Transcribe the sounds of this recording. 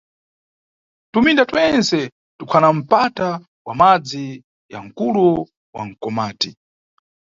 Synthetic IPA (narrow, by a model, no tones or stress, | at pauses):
tumindatwɛnsɛ | tukʰanam̩pata | wamad͡zi | ja̰ŋ̩kulu | wa̰ŋ̩kɔmaːti